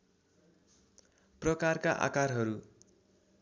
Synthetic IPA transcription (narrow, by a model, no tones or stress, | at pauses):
prʌkarkaʔa̰karɦʌɾu